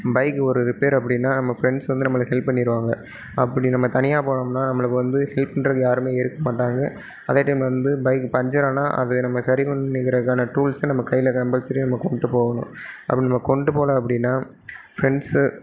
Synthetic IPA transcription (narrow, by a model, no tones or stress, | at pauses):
bɐɪkːɯɔɾɯɾɯpeːɾɐp̬ːɐɽɪnːaːnɐmːɐfɾɛɳɖsʋɐnd̪ɯnɐmːɐɭɯkːɦɛlppːɐnːɪɪɾɯʋaːŋɡɐ | ɐpːɐɽinɐmːɐt̪ɐnɪjaːpoːɐɳɐmnaːnɐmːɐɭɯkːɯʋɐnd̪ɯhɛlpɐɳɖɾɐjaːɾɯmeːɪɾɯkːɐmaːʈːaːŋɡɐ | ɐðɐʈːɐmʋɐnd̪ɯbɐɪkːpɐɲd͡ʒɐɾaːna̰ːʔɐ̰ðɯnɐmːɐsɐɾipɐɳːɪkɪɾɐðɯkːaːnɐʈuːlsnɐmːɐkɐjːɪlɐkɐbɐlsɐɾinɐmːɐkɔɳɖɯpoːɣɐnʊ̰̃ɐ̰pːɐɽɪnɐmːɐkɔɳɖɯpoːlɐ̃ɐpːɐɽɪnːaː | fɾɛɳɖs